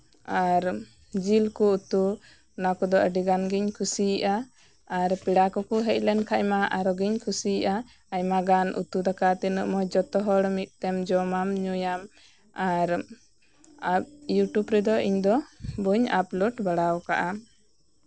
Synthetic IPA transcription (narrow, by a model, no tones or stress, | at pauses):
aɾ | d͡ʒilkuut̪u | nakɔd̪ɔʔəɖiɡanɡiɲkʰusiʔaː | ɾpiɽakɔkuɦɛc̚ˀlɛnkʰajmaʔaɾɔɡiɲkʰusiʔa | ajmaɡanʔṵt̪ud̪akat̪ɛnuʔmɔd͡ʒɔt̪ɔɦɔɽmit̪̚ˀt̪ɛmd͡ʒɔmamɲujam | aɾ | ap̚juʈubɾɛd̪ɔʔiɲd̪ɔbuɲaplɔʈbaɽawka̰ʔa